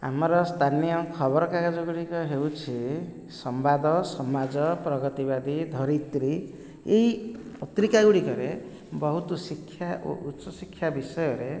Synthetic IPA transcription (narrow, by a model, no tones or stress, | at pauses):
ɦa̰mɾʌst̪ʰanijʌkʰʌβʌɾkaɡad͡zʌɡuɽikʌɦeut͡sʰi | sʌmbad̪ʱʌsʌmad͡zʌprʌɡʌt̪ibad̪ʱid̪ʱʌɾit̪ɾi | ejpʌt̪ɾikaɡuɽikʌɾe | bʌɦut̪usikʰːja̰utːsʌsikʰːjabisʌjʌɾe